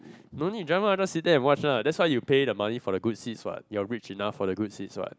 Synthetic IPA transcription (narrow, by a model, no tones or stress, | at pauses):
nonidɹãmad͡ʒasit̚dɛɛ̃nwɔt͡ʃnaʊdɛtswaɪjupedəmanifɔɾəɡudsitswa̰t̚jɔɹit͡ʃinafːɔɾəɡudsitswa̰t̚